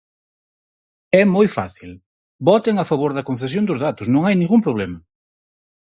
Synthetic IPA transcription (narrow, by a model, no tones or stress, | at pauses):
ɛmojfa̰θil | bɔt̪ɪŋɐfaβoɾðɐkon̟θes̬jõnd̪ʊzðat̪ʊsnõŋajnĩŋɡumpɾoβlɛmɐ